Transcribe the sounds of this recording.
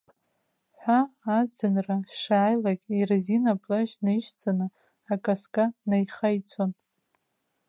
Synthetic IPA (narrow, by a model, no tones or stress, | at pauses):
ħʷaːd͡zɨnraʂaːjlakʲʼirzinapʼlaʒnɨjʃt͡sʼanɨ | akʼaskʼanajχajt͡sʼʰon